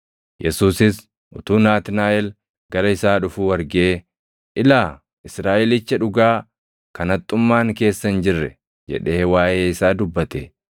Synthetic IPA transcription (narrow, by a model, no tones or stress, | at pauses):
jʔɛsuːsɪs | ʔʊt̪uːnaːt̪naːʔɛl | ɡɐɾɐɪsaːᶑʊfuːwɐɾɡeː | ʔɪlaː | ɪsɾaːʔɪlɪt͡ʃːɐᶑʊɡaː | kɐnɐt̪ʼːʊmːaːŋke̞ːsːɐnd͡ʒɪrːɛ | d͡ʒɛ̰ᶑe̞ːwaːʔeːɪsaːd̪ʊbːɐt̪e